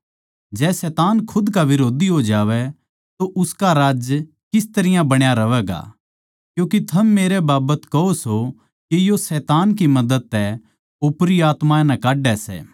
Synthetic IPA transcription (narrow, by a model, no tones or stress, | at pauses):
d͡ʒɛːsɛːt̪aːnkʰʊd̪kaʋɪɾoːd̪iɦod͡ʒaːʋɛ | t̪oʔʊskaɾaːd͡ʒ | kɪst̪ɐɾɪjãbɐɽ̃jaɾɐʋɛːɡa̰ | kjũːkit̪ʰɐmːeːɾebaːbət̪kɐɦoso | kijosɛːt̪aːnk̬imɐd̪əd̪̚t̪ɛ | opɾiaːt̪mãnɐkaːɖɛsɛ̰ː